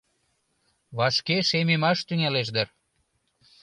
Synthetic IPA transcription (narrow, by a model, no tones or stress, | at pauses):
βɑʃkeʃememɑʃt̪yŋɑleʃd̪ər